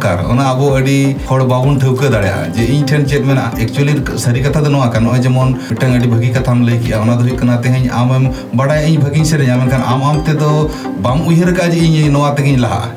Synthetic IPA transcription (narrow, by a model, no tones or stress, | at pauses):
ka̰ɾɔ̰naəbɔəɖikʰɔɽbabunʈ̪ʰəwkəd̪aɽɛja̰d͡ʒeiɲʈʰɛnt͡ʃeʈ̚mɛn | ɛk̚t͡ʃuəli | səɾikɐt̪ʰad̪ɔnɔwakanɔɔjd͡ʒɛmɔnʈəŋəɖibʱəɡikɐt̪ʰamləjkɛʔaɔnad̪ɔɦujkɐnat̪ɛɦəɲa̰mɛm | bəɽajiɲbʱəɡiɲsɛɾəɲamɛnkʰana̰mamt̪ɛd̪ɔ | bamujɦəɾəkad͡ʒeiɲnɔwat̪ɛɡiɲlaɦa̰